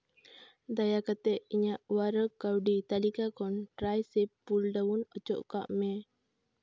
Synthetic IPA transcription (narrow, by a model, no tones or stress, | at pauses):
d̪ajakat̪ɛʔiɲaʔwaɾəkːawɖit̪alikakɔntɾajsepːuldaunɔt͡ʃɔ̰ʔka̰ʔme